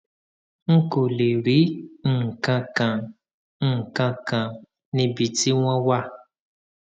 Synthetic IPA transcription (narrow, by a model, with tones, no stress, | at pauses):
ŋ̩˦ko˨le˨ɾi˨˦ŋ̩˦˨kã˧kã˨ | ŋ̩˦˨kã˧kã˨ | nĩ˧bi˨ti˦w̃ɔ̃˦wa˦˨